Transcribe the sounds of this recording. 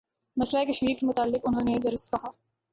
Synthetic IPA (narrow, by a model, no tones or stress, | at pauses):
nɐʃlaekɐʃmiːɾkemʊt̪aːlːɪkʊnɦõːned̪ɐɾɪskɐɦaː